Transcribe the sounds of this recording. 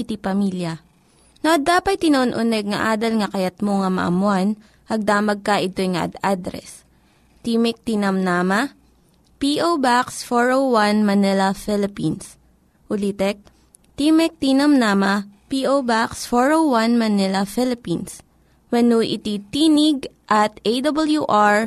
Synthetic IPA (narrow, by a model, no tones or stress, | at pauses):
ʔɪt̪ipɐmiljɐ | noʔɐd̪aːpɐt̪̚ːɪnoʔonʔʊnɛɡ̚ŋɐʔaːd̪ɐlŋɐkɐjɐt̪̚moŋɐmɐ̰ʔɐ̰mʊan | ɐɡ̚d̪aːmɐɡ̚kɐʔɪt̪o̞jŋɐ̰ʔɐ̰d̪ad̪ɾɛ̰s | t̪imɛk̚t̪inɐmnaːmɐ | piʔowbaksfoɹowwanmɐnɛlɐfɛlɪpins | ʔʊlit̪ɛk̚ | t̪iːmɛk̚t̪inɐmnamɐpiʔowbaksfoɹowwanmɐnɛlɐfɪlɪpins | wɐnuʔɪ̰t̪it̪iːnɪɡ̚ | ʔɐt̪ejd̪ɐbɐljuʔaɹ